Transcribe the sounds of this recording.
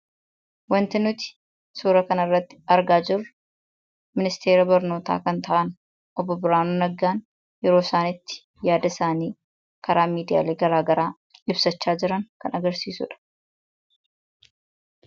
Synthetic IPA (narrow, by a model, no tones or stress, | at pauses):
wɐnt̪ɪnʊt̪ɪ̥ | suːɾɐkɐnɐrːɐt̪ːɪ̥ɐɾɡaːd͡ʒɪrːʊ | mɪnɪst̪ʰe̞ːɾɐbɐɾno̞ːt̪a̰ːkɐnt̪ɐʔɐn | ʔɔbːɔbɪɾaːnunɐɡːaːn | jɛɾoːsaːnɪt̪ːɪ̥ | jaːd̪ɐɪsaːniː | kɐɾaːmiːd̪ɪja̰ːleːɡɐɾaːɡɐɾaː | ɪbsɐt͡ʃːaːd͡ʒɪɾɐŋkɐnɐɡɐɾsiːsʊ̰ᶑɐ̥